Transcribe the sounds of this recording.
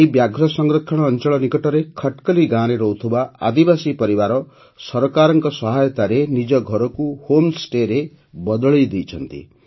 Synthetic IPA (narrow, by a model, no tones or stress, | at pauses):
ibjaɡʱɾɔsɔŋɡɾɔkʰːɔɽ̃ɔːnt͡ʃɔɭɔnikɔʈɔɾekʰɔʈkɔliɡãɾeɾɔut̪ʰubaa̰d̪ibasipɔɾibaɾɔ | sɔɾɔkaɾɔŋkɔsɔɦajɔt̪aɾenid͡ʒɔɡʱɔɾɔkuhomsʈeɾe | bɔd̪ɔɭed̪ejt͡ʃʰɔnt̪ḭ